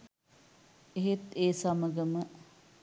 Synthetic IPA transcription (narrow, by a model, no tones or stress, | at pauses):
eɦet̪eːsaməɡəmə